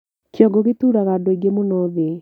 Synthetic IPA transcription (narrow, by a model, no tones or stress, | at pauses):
kjɔɡoɣetuːɾaɣadoiɡemunoːðe